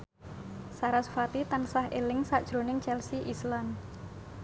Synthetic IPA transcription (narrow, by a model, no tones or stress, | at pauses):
saɾasfat̪it̪ansahelɪŋsaʔd̥ʒ̥ɾo̤nɪŋt͡ʃɛlsiʔislan